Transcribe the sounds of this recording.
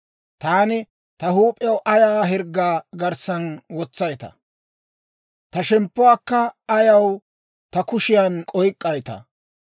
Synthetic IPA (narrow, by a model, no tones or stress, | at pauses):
t̪aːnɪ | t̪ɐɦuːpʼɪjɐwʔɐjaːɦɛɾɡːaːɡɐɾsɐnwɔt͡sːɐjt̪ɐ̰ | t̪ɐʃɛmpːʊwaːkːɐːjɐw | t̪ɐkʊʃɪjankʼɔjkʼːɐjt̪ɐ̰